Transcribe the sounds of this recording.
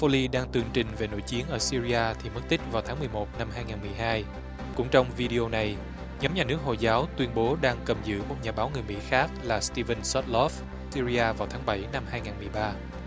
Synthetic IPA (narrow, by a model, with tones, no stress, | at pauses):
fo˧li˧ɗaː˧ŋt̪ɨ˨˩əŋt͡ɕï˨˩ŋ̟ve˨˩no̰˧˩jt͡ɕi˨˦ənʔəː˧˩si˧ɾi˧aː˧t̪ʰi˨˩mə˦˥t̚t̪ï˦˥k̟̚vaː˨˩wt̪ʰaː˨˦ŋmɨ˨˩əjmo˨˩t̚na˧mɦaː˧jŋaː˨˩nmɨ˨˩əjɦaː˧j | kʊ̰˧˥ŋ͡mt͡ɕɔ˧wŋ͡mvi˧ɗi˧ʔo˧na˨˩j | ɲɔ˨˦mɲaː˨˩nɨ˦˥ək̚ho̰˧˨jzaː˨˦wt̪wi˧ənɓo˨˦ɗaː˧ŋkə˨˩mzɨ̰˧˨mo˨˩t̚ɲaː˨˩ɓaː˨˦wŋɨ˨˩əjmḭ˧˥xaː˦˥k̚laː˨˩st̪i˧və˧nsɔ˦˥t̚lɔ˦˥f | si˧ɾi˧aː˧vaː˨˩wt̪ʰaː˨˦ŋɓə˧˩jna˧mhaː˧jŋaː˨˩nm˨˩əjɓaː˧